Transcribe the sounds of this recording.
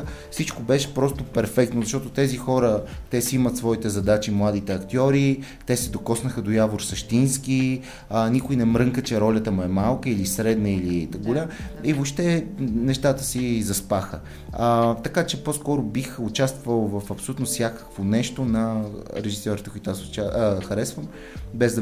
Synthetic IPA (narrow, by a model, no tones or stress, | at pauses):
fsit͡ʃkobɛʃɛ̥pɾɔst̪ʊpɛɾfɛkt̪nozɐʃt̪ɔt̪ʊt̪ɛzixɔɾət̪ɛsimət̪svɔit̪ɛzɐd̪at͡ʃimlˠad̪it̪ɛɐkt̪ʲɔɾi | t̪ɛsɛd̪okɔsnəxəd̪ojavoɾsɐʃt̪inski | nikʊinɛmɾɤŋkət͡ʃɛɾɔlʲət̪əmuɛmalˠkəilisɾɛd̪nəilit̪əɡolʲamivoʃt̪ɛnɛʃt̪at̪ə̥sizɐspaxə | t̪ɐkat͡ʃɛposkɔɾʊbixʊt͡ʃast̪vvəlˠvəfɐpsolʲut̪nofsjakə̥kvonɛʃt̪onɐɾɛʒisɔɾit̪əkʊit̪asʊt͡ʃaxɐɾɛsvəm | bɛzd̪